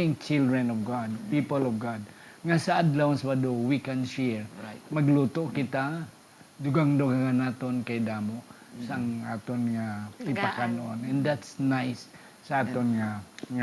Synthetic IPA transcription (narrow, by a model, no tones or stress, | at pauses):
ɪŋt͡ʃɪld̪ɹɛnɔvɡad̪̚pipəlɔvɡad̪̚ | ŋasaʔad̪lawaŋswad̪owikɛnʃɛɹmaɡlut̪oʔkɪt̪a | d̪uɡaŋd̪uɡaŋanat̪onkajd̪aːmoʔ | saŋaːt̪onŋapipakanʔonɛ̃nd̪at̪snajsː | aaːt̪onŋaŋa